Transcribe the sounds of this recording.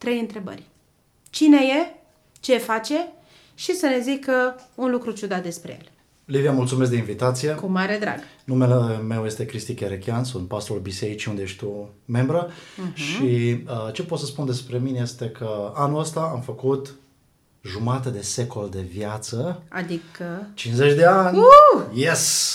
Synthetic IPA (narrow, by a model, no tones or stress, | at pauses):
t̪ɾe̞jɨnt̪ɾe̞bə̰rʲ | t͡ʃine̞je | t͡ʃe̞fat͡ʃe̞ | ʃisəne̞zikəunlukɾut͡ʃud̪at̪̚d̪e̞spɾḛjḛl | livijamult̪sumes̬d̪einvit̪at̪sije̞kumaɾed̪ɾa̰ɡnumeleme̞wje̞st̪e̞kɾist̪ikeɾekʲeansunt̪̚past̪ulbise̞ɾit͡ʃiund̪ee̞ʃt̪̚ʲt̪u | me̞mbɾəʃiət͡ʃe̞po̞t̪səspund̪e̞spɾe̞mineje̞st̪e̞kʰəanuləst̪aamfəkut̪ | ʒumat̪əd̪e̞se̞kʰo̞ld̪e̞vjat̪səad̪ikət͡ʃinszet͡ʃʲd̪e̞anʲjes